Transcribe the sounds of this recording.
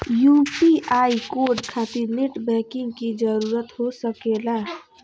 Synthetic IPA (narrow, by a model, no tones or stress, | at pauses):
jupiaikoɾɖkʰat̪iɾneʈbɛ̃kiŋɡkid͡ʒəɾuɾət̪ɦosəkela